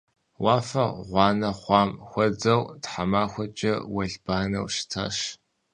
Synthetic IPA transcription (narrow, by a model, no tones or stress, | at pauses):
wɑːfɐʁʷɑːnɐχʷɑːmxʷɔd͡zɐwtħamaːxʷɔt͡ʃʼɐwɐɮbaːnɐ̰wʃtʰa̰ːʃ